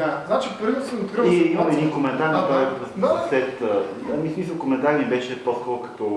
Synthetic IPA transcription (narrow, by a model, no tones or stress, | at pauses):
d̪aznat͡ʃipəɾvʲit̪səmot̪kɾəiiməmɛɛd̪inkomɛnt̪aɾnɐt̪ɔjsɐsɛt̪ə | ɐmismis̬əlˠkomɛnt̪aɾinibɛʃɛposkɔɾʊkɐ̥t̪ɔ